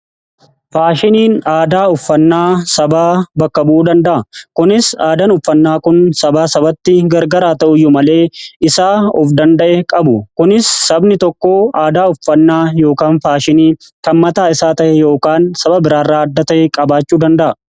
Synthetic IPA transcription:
faːʃɪniːnaːd̪aːʊfːɐnːaːsɐbaːbɐkːɐbʔuːd̪ɐnd̪ɐʔɐkʊnɪsaːd̪ɐnʊfːɐnːaːkʊnsɐbaːsɐbɐt̪ːɪɡɐɾɡɐɾaːt̪ɐʔʊjːʊmɐle̞ːɪsaːɔfd̪ɐnd̪ɐʔɛkʼɐbʊkʊnɪsːɐbnɪt̪ɔkːoːaːd̪aːʊfːɐnːaːjo̞ːkaːnfaːʃɪniː | k̪ɐmmɐt̪aːɪsaːt̪ɐʔɛjo̞ːkaːnsɐbɐbɪɾaːrːaːɐd̪ːɐt̪ɐʔɛkʼɐbaːt͡ʃːuːd̪ɐnd̪ɐʔɐ

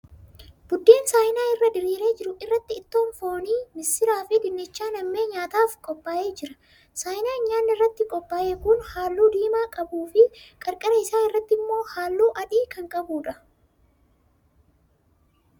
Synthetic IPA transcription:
b̥ʊd̪ːe̞ːnsaːjɪnaːɪrːɐd̪ɪɾiːɾe̞ːd͡ʒɪɾʊʔɪrːɐt̪ːɪːt̪ːo̞ːnfo̞ːniːmɪsːɪɾaːfɪd̪ɪnːɪt͡ʃːaːnɐmːeːɲaːt̪aːfkʼɔpʼːaːʔe̞ːd͡ʒɪɾɐ̥ | saːjɪnaːɲːaːnːɪrːɐt̪ːɪkʼɔpʼːaːʔeːkʊnhaːlːuːd̪iːmaːkʼɐbuːfɪkʼɐɾkʼɐɾɐɪsaːɪrːɐt̪ːɪmːo̞ːhaːlːuːʔɐᶑiːkɐŋkʼɐbuːᶑɐ

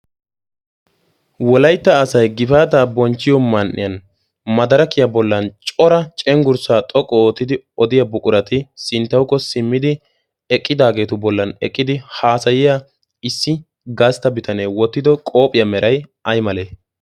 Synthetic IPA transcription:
wɔlɐjt̪ːɐːsɐjɡɪfaːt̪aːbɔnt͡ʃːɪjɔmɐnʔɪ̰jɐn | mɐd̪ɐɾɐkɪjɐbɔlːɐnt͡ʃʼɔɾɐt͡ʃʼɛŋɡʊɾsaːt̪ʼɔkʼːɔoːt̪ːɪd̪ɪ | ɔd̪ɪjɐbʊkʼʊɾɐt̪ɪsɪnt̪ːɐwkːɔsɪmːɪd̪ɪ | ɛkʼːɪd̪aːɡe̞ːt̪ʊbɔlːɐnɛ̰kʼːɪd̪ɪhaːsɐjɪja | ɪsːɪ | ɡaːst̪ːɐbɪt̪ʰɐneːwɔt̪ːɪd̪ɔkʼo̞ːpʼɪjɐmɛɾʔɐjɐjmɐleː

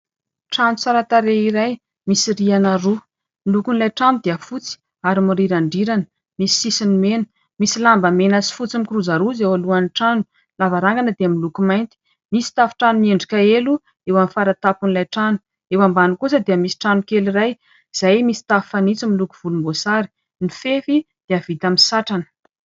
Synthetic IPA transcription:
ʈ͡ʂanusaɾat̪aɾeiɾaj | misiɾianaɾu | milukunilajʈ͡ʂanud̪eəfut͡si̥ | aɾimuɾiɾaɳɖ͡ʐiɾanə̥ | misi̥sisinimenə̥ | misilambəmenəsi̥fut͡simikiɾuzaɾuzewaluaniʈ͡ʂanu̥ | lavaɾaŋɡanəd̪eəmilukumajnt̪i̥ | misi̥t̪afi̥ʈ͡ʂanunieɳɖ͡ʐikaelu | ewamfaɾat̪apunilajʈ͡ʂanu̥ | ewambanukusəd̪iəmisi̥ʈ͡ʂanukeliraj | z̥ajmisi̥t̪affanit͡similukuv̥ulumbosaɾi̥ | nifefi | d̪̥eav̥it̪aminsaʈ͡ʂanə̥

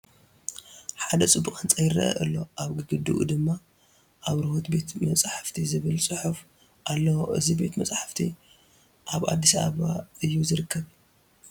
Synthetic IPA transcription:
ħad̪ɐt͡sʼɨbːukʼɨnt͡sʼɐjɪrɐ̰ʔɐ̰ʔɨlːo̞ʔaβɡɨɡɨd̪uʔṵd̪ɨmːa | ʔaβɾɨho̞t̪be̞t̪mɐt͡sʼaħḁft̪ʰizɨβɨlsʼɨħuf | ʔalːɐwoʔɨ̰zibe̞t̪mɐt͡sʼaħḁft̪ʰi | ʔaβa̰d̪ːisaaβaɨjːuzɨɾɨkʰːɐβ

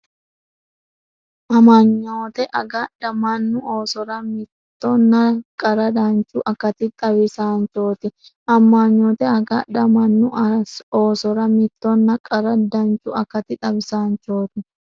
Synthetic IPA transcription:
ʔɐmaɲːoːt̪ɛʔɐɡɐɗɐmɐnːʊʔoːsɔɾɐmɪt̪ːɔnːɐkʼɐɾɐd̪ɐnt͡ʃːʊʔɐkɐt̪ɪt̪ʼɐbɪsaːnt͡ʃo̞ːt̪ɪʔɐmːaːɲːoːt̪ɛɐɡɐɗɐmɐnːʊoːsɔɾɐmɪt̪ːɔnːɐkʼɐɾɐd̪ɐnt͡ʃʼːʊɐkɐt̪ɪt̪ʼɐbɪsaːnt͡ʃːo̞ːt̪ɪ

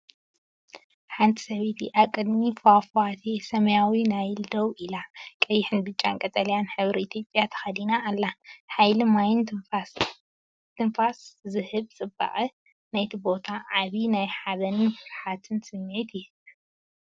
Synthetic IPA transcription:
ħant̪ʼi̥sɐβit̪ʰiʔaβkʼɨd̪mifwafat̪ʰesɐmɐjawinajld̪ɐwʔilakʼɐjːɪħɨnbɨt͡ʃʼːa̰nkʼɐt̪ʼɐljanħɨβɾiit̪ʰjo̞pʼjat̪ʰɐ̥xɐd̪inaːlːaħajlɨmajɪna | t̪ʰɨnfaszɨhɨβt͡sʼɨba̰ʔʼi | najt̪ʰibo̞t̪ʰaʕaβinajħaβɐnɨnfɨsħat̪ʰɨnsɨmːʕit̪ʰɪ

